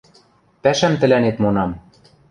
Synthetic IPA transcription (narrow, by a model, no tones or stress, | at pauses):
pæʃæmt̪ɘ̆lænet̪monɑm